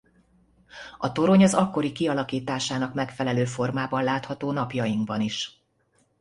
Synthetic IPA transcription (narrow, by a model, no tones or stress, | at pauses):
ɒt̪o̞ɾo̞ɲɒzɒkːo̞ɾikiɒlɒkiːt̪aːʃaːnɒkmɛkfɛlɛløːfo̞rmaːbɒnlaːt̪hɒt̪oːnɒpjɒjiŋɡbɒniʃ